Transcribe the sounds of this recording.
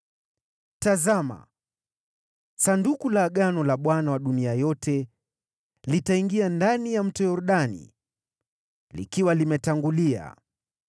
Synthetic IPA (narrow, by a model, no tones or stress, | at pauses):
tazama̰ | sandukulaɠanɔlaɓwanawaɗuniajɔtʰɛ | litaiŋɡiandanijam̩tɔjɔɾuɗanḭ | lḭkiwalimɛtaŋɡulia̰